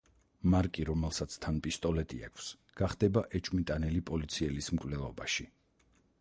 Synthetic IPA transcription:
maɾkʼiɾɔmɛlˠsat̪sʰt̪ʰanpʼist̪ʼɔlɛt̪ʼḭa̰kʷʰs | ɡ̥aχd̪̥ɛbaʔɛt͡ʃʼmit̪ʼanɛlipʼɔlit̪sʰiɛlismkʼvlɛlˠɔbaʃi

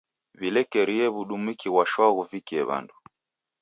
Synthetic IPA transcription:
βilɛkɛɾiɛβuɗumwikiɣwaʃwaɣuvikiɛβa̰ndu

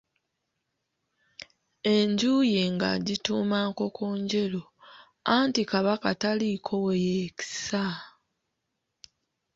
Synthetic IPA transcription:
e̞ɲɟuːjeŋɡa̰ɟituːmaːko̞koːɲɟe̞lo̞ | antikaβakatalikʰo̞wejeci̥sa

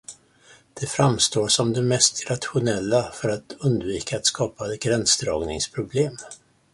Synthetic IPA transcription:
d̪̥ɛfɾamst̪oːsɔmd̪ɛmɛst̪ɾat̪ɧʊnɛlːafœɾat̪ɵnd̪viːkaːt̪skʰɑːpaɡɾɛnsd̪ɾɑːɡnɪ̰ŋspʰɾʊbleːm

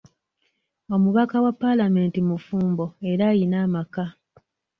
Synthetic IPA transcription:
o̞muβakawapːalame̞ːntimufuːmbo̞e̞ɾajinaːmaka

